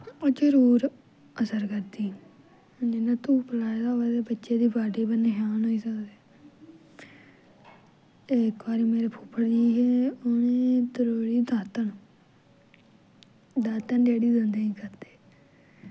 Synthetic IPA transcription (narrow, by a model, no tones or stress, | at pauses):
oːd͡ʒəɾuːɾ | əsəɾkəɾd̪iː | ɪnãːt̪ũːpəlaːed̪aːɦoːaːt̪ebətːʃeːd̪iːbaːɖeːbəneɦaːnɦoːiːsəkd̪eː | ekbaːɾiːmeːɾeːpʰupʰːəɽd͡ʒ̪iɦɛːoneːd̪əɾoːɽiːd̪aːt̪ənː | d̪aːt̪ənɖeːɽiːd̪ə̃nd̪eːnĩːkəɾd̪e̥ː